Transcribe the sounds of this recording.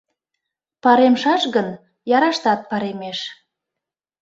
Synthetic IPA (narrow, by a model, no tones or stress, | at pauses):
pɑɾemʃɑʃɣən | jɑɾɑʃt̪ɑt̪̚pɑɾemeʃ